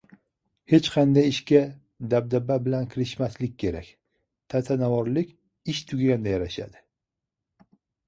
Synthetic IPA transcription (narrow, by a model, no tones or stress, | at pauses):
he̞t͡ʃqʰɑnd̪ajɪʃkʲa | d̪ab̚d̪ababɪlankʲʰɪɾɪʃmaslɪk̚ʲʰːe̞ɾa̰kʲ | t̪ʰat̪ʰanavɒɾlɪkʲ | ɪʃt̪ʰʊɡʲaɡʲand̪ajaɾaʃa̰d̪ɪ